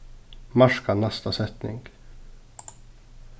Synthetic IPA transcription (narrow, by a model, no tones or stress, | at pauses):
maʂkanɛst̪asɛt̪nɪ̰ŋɡ̥